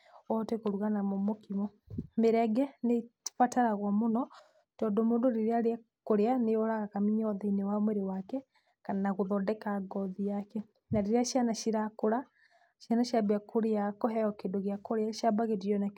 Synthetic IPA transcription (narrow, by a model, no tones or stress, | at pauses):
ɔtɛkoɾuɣanamɔmokimɔ | meɾɛɡɛnefataɾaɣwamonɔ | tɔndɔmoːndoɾeɾeaɾea | koɾeaneɔɾaɣakamiɲɔðainewamwɛɾewakɛ | kananaɣoðɔdɛkaɡɔðiakɛ | naɾeɾeaʃianaʃiɾakoɾa | ʃjanaʃabeakʰoɾeakɔɦɛɔkedoɣeakoɾeaʃabaɣetiɔna